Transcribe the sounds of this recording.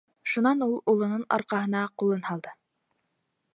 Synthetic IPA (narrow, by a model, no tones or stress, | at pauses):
ʃunɑnulˠulˠɤ̆nɤnɑ̰ɾqɑɦɤ̆nɑqulˠɤnhɑlˠd̪ɤ